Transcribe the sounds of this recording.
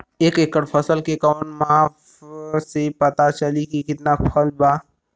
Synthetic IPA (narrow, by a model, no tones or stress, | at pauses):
eːkeːkːəɾpʰəsəlkekəːnmaːf | sepɐt̪at͡ʃəlikikɪt̪napʰəlbaː